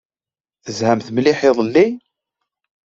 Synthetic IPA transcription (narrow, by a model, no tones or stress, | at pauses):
θəzhæmθmlɪħɪðˤlːi